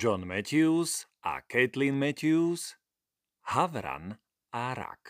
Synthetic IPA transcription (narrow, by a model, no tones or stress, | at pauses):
d͡ʒɔnmɛcusʔa̰kɛt̪linmɛcus | haʋɾa̰n | aɾa̰k